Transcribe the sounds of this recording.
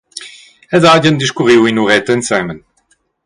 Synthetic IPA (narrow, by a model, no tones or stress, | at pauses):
ɛdaːdənd̪iʃkuʁiwinuʁɛt̪ɛnsɛmən